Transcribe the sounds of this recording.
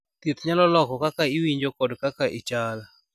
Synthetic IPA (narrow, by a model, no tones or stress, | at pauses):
t̪it̪ɲalɔlɔkɔkakaɪwiɲd͡ʒokodkakaʔit͡ʃal